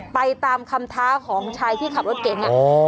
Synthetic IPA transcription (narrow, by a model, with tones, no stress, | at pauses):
pa˧jt̪aː˧mkʰa˧mt̪ʰaː˦˥kʰɔː˩˦ŋt͡ɕʰaː˧jt̪ʰiː˥˩kʰa˨˩o˦˥t̪̚keː˨˩˦nna˧